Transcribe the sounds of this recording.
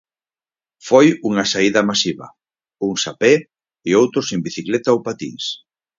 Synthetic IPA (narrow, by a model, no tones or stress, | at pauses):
fojuŋɐsaiðɐmasiβɐ̰ | uŋsapɛ | ɪowt̪ɾʊsembiθiklɛt̪aowpat̪ḭŋs